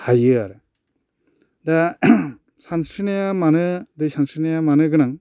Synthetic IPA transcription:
hajɯaɾɯ | d̪a | sanskɾinajamanɯdɯjsansɾinajamanɯɡɯnaŋ

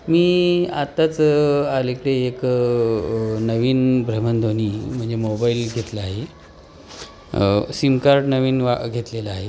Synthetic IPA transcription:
miːat̪ːat͡salekɽeːk | nəʋiːnbɾəmənd̪ʱoniːm̤əɳd͡zemobailɡʱet̪ləaɦe | simkaɾɖnəʋiːnʋaɡʱet̪lelaaɦe

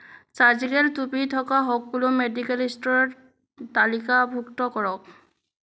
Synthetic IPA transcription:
sazikɛltupitʰɔkaɦɔk̚bulomedikɛlistɔɹ | talikabʱuktɔkɔɹɔk̚

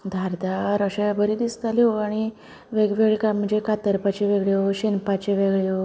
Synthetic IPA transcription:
d̪ʱaɾd̪aɾəɕebəɾid̪ist̪alioaɽ̃i | ʋeɡʋeɡɭkam̤əɳd͡zekat̪əɾpat͡ɕeʋeɡɭjeoɕinpat͡ɕeʋeɡɭjo

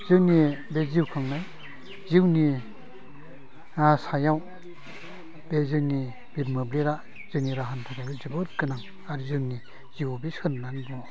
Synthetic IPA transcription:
zɯwnibeziwkʰaŋnaj | ziwni | asajaw | b̥ezɯwni | biɾmɯbleɾa | z̥ɯniɾaɦantʰakabɯzɯbɯtkɯnaŋ | aɾzɯwni | z̥iwbisɯɾnanbɔ

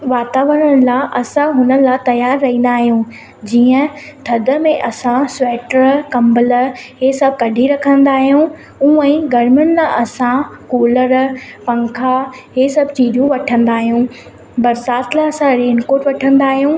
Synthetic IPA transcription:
ʋaːt̪aːʋəɾəɽ̃laʔɐsãɦʊnə̆lat̪ɐjaːɾːɐɦĩːnd̪aːɦijũ | d͡ʑiːə̃t̪ʰɐd̪ə̆mẽʔɐsãsʋɛːʈəɾkɐ̃mbəlɦesɐb̚ʱkɐɖʱiɾɐkʰə̃nd̪aːɦijũ | ũːɛ̃ɡɐɾmʊñlaʔɐsãkoːləɾpɐ̃ŋkʰa | ɦesɐbʱt͡ɕiːdjũʋɐʈʰə̃nd̪aːɦijũː | bɐɾsaːt̪ʰlaɐsãɾeːnkoːʈʋɐʈʰə̃nd̪aːɦijũː

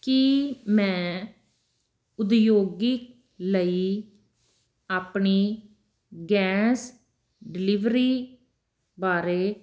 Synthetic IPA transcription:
kimɛ̃ː | ʊd̪joːɡik | ləiː | aːpɳiː | ɡɛ̃ːs | ɖɪlɪʋɾiː | baːɾeː

